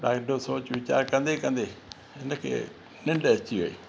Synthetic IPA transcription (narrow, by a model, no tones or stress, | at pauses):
ɗaːɡɖosoːt͡ʃʋɪt͡ʃa̰ːɾkə̃nd̪ekə̃nd̪eː | ɪnəkʰḛ | nɪ̃ɳɖt͡ʃio̰ːḭː